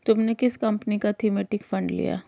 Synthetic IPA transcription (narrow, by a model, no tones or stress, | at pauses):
t̪ʊmnekɪskɐ̃mpnikat̪ʰimeːʈɪkfɐ̃ɳɖlḭja̰ː